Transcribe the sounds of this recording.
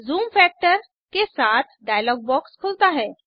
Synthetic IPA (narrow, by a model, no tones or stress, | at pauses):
zuːmfɛk̚ʈəɾ | kesat̪ʰɖajlɔːɡ̚bɔkskʰult̪aɦɛ̃